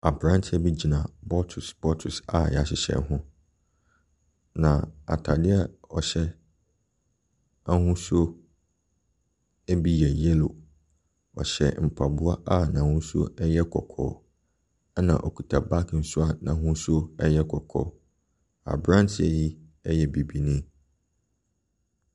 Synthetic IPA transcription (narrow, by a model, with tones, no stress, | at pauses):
a˨bɾã˦n˦tʰɪ˦ɛ˨bi˦d͡ʑi˨nã˨bɔ˦tʰu˨sb̥ɔ˦tʰʊ˨sa̰˨ja˨ɕɪ˨ɕɛ̰˨nɦʊ̃˦ | nã˨a̰˨tʰa˨dɪ˦a˦ɔ˨ɕɛ˦ | a˦hũ˦su˦o˦ | ɛ˦bi˦jɛ˨jɛ˦lo˨ | ɔ̰˨ɕɛ̰˨m̩˨pʰa˨bʊ˦a˦ʔa˦˨nã˨hũ˦so̰˦ɛ˦jɛ˦kʰɔ̰˨kʰɔ̰ː˨˦ | nã̰˨ʔɔ˨kʰu˨tʰa˨ba˦kʰn̩˦sʊ˦a˨nã˨˦hũ˦so˦ɛ˦jɛ˦kʰɔ˨kʰɔ̰˦˨ | a̰˨bɾã˦n˦tʰɪ˦ɛ˨ji˦ɛ˦jɛ˨bi˨bi˦nĩ˦